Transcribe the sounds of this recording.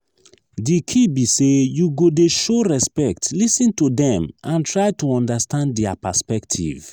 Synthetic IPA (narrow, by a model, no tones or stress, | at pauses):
dikʰibisejuɡodeʃoɹɛspɛk̚tlisĩntudɛ̃mãntɹajtuɔ̃ndastʰãnddɛapaspɛktʰḭv